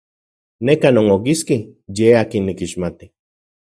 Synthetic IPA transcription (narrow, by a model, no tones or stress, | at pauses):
nekanoŋok̬iskijeaːkinːikiʃmat̪i̥